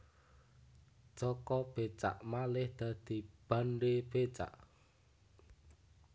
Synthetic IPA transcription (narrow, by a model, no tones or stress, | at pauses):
d͡ʒ̥ɔkɔb̥et͡ʃa̰ʔmalɪhd̪̥a̤d̪̥i̤b̥aɳɖeb̥et͡ʃa̰ʔ